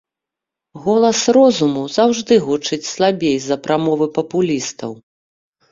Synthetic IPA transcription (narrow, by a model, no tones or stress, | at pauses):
ɣɔlˠɐsrɔzumuzawʐd̪ɨɣut͡ʂɨt͡sʲslˠabʲejzɐpɾamɔvɨpɐpulʲist̪ɐ̰w